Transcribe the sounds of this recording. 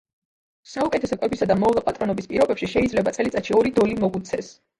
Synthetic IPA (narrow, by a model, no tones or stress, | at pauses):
saukʼɛt̪ʰɛsɔkʼwɛbisad̪amɔvlˠapʼat̪ʼɾɔnɔbispʼiɾɔbɛpʃiʃɛid̪zlɛbat̪sʼɛlit̪sʼaʃiɔɾid̪ɔlimɔɡut̪sʰɛs